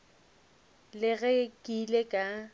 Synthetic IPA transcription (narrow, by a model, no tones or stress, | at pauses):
lɪɣekʼilekʼa